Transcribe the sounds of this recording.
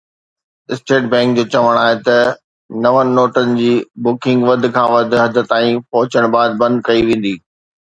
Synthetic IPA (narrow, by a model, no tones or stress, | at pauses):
ɪsʈeːʈ̚bɛ̃ŋk̚d͡ʑoːt͡ɕɐʋəɽ̃aːɦet̪ɐ | nɐʋənɪ̆ːoːʈənɪ̆d͡ʑiːbʊkɪ̃ŋɡʋɐd̪ʱɪ̆kʰãːʋɐd̪ʱɪ̆ɦɐd̪ʱə̆t̪aːĩpɐɦʊt͡ɕəɽ̃baːd̪̚bɐ̃nd̪kɐiʋẽːn̆d̪iː